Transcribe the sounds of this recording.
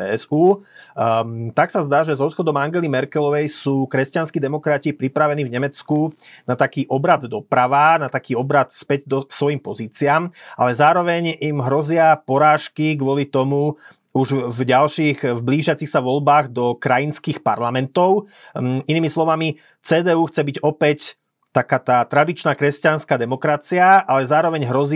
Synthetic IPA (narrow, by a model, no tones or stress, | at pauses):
ɛɛzuː | t̪aksazd̪aːʒɛzɔt̪xɔd̪ɔmaŋɡɛlimɛɾkɛlɔʋɛjsuːkɾɛscanskid̪ɛmɔkɾacːpɾipɾaʋɛniːvɲɛmɛt͡sku | nat̪akiːʔɔbɾad̪d̪ɔpɾaʋanat̪akiːɔbɾat̪spɛɟd̪ɔsʋɔjimpɔziːt͡siaːma̰lɛzaːɾɔʋɛɲimɦɾɔzɪapɔɾaːʃkiɡʋɔlit̪ɔmu | uʒvɟalʃiɣvbliːʒɪat͡sixsaʋɔlbaːɣd̪ɔkɾajinskiːxpa̰ɾlamɛnt̪ɔʊiniːmislɔʋami | t͡sɛːd̪ɛːuːxt͡sɛbiɟɔpɛc | t̪akaːt̪aːt̪ɾad̪it͡ʃnaːkɾɛscanskaːd̪ɛmɔkɾat͡siaalɛzaːɾɔʋɛɲɦɾɔzi